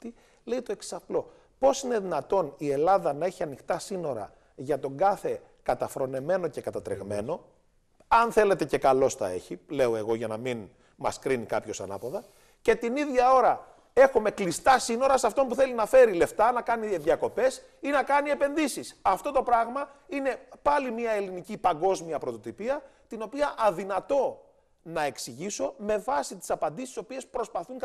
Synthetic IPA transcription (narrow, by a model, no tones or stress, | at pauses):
t̪i | le̞jt̪o̞e̞kssɐplo̞ | po̞sine̞ðinɐt̪o̞nie̞lɐðɐnɐe̞çiɐnixt̪ɐsino̞ɾɐ̰ | ʝɐt̪o̞ŋɡɐθe̞ | kɐt̪ɐfɾo̞ne̞me̞no̞ce̞kɐt̪ɐt̪ɾḛɣme̞̰no̞ | ɐnθe̞le̞t̪e̞ce̞kɐlo̞sθɐ̰e̞̰çile̞oe̞ɣo̞ʝɐnɐmin | mɐskɾinikɐpço̞sɐ̰nɐ̰poðɐ | ce̞t̪iniðʝɐo̞ɾɐ | e̞xume̞klist̪ɐsino̞ɾɐsɐft̪o̞mpuθe̞linɐfe̞ɾile̞ft̪ɐnɐkɐniðʝɐko̞pe̞s | inɐkɐnie̞pe̞nðisisɐft̪o̞t̪o̞pɾɐɣmɐine̞pɐlimiɐe̞linicipɐŋɡo̞zmiɐpɾo̞t̪o̞t̪ipiɐt̪ino̞piɐʔɐðinɐt̪o̞ | nɐe̞ksiʝiso̞me̞vɐsit̪i̥sɐpɐnd̪isiso̞pie̞spɾo̞spɐθuŋk